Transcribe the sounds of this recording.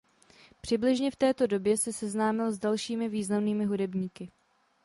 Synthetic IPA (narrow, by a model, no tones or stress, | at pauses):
pr̝̥ɪblɪʒɲɛft̪ɛːt̪o̞do̞bjɛsɛsɛznaːmɪlzdalʃiːmɪviːznamniːmɪɦudɛbɲiːkɪ